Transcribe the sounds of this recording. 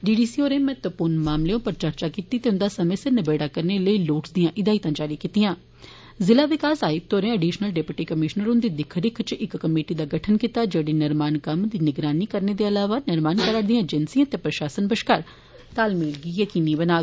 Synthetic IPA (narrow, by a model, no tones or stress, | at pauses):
ɖiːɖiːsiːoːɾẽːmɛːt̪ʋəpʊːɾnmaːmleːõːpəɾt͡ʃəɾt͡ʃaːkiːt̪iːt̪eʊnd̪aːsəmeseɾnɪbeːɽaːkəɾneːləiːloːʈsd̪ijãːʔɪd̪aːit̪ãːd͡ʒaːɾiːkiːt̪ɪjãː | zɪlaːʋɪkaːsaːiːt̪oːɾẽːəɖiːʃənəlɖeːpʊʈiːkəmɪʃnəɾʊ̃nd̪iːd̪ɪkʰɾɪkʰt͡ʃɪkkəmeːʈiːd̪aːɡəʈʰənkɪt̪aːd͡ʒeːɽiːnɪɾmaːnkəmd̪iːnɪɡɾaːniːkəɾneːd̪eːəlaːʋaːnɪɾmaːnkəɾad̪ijãːd͡ʒənsijãːt̪eːpɾəʃaːsənbəʃkaːɾ | t̪aːlmeːlɡiːjəkiːniːbənaːɡ